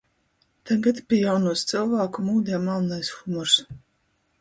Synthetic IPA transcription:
t̪aɡat̪pʲiɛjawnuɔst̪sɨlˠvaːkumuːd̪ʲɛmalˠnajsxumɔɾs

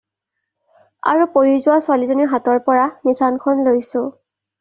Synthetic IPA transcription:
a̰ɹupoɹizʊwasʊalizoniɹɦatɔɹpɔɹanisankʰɔnlojsʊ̃

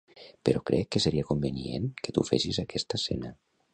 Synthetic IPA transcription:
peɾɔkɾʔɛkːəsəɾiakumbəniḛnkət̪ṵfḛsizakʰɛst̪asɛnə

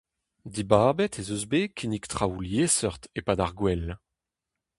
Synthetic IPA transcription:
d̪ibaːbɛt̪ezøzbekʰinikt̪χawuljesœʁt̪epadaʁɡwɛl

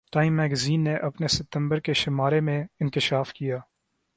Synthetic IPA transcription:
ʈaːimːɛːɡɐziːnːeʔɐpnesɪp̚t̪əmbəɾkeʃɪmaːɾemẽɪnkɪʃaːfkɪjaː

